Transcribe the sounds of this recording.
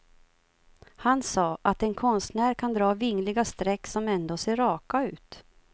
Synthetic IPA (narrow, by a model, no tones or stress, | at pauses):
hansɑːʔat̪ɛnkʰɔnst̪næːɾkʰand̪ɾɑːvɪŋːlɪɡast̪ɾɛkːsɔmɛnd̪oːseːɾɑːkaʉ̟ːt̪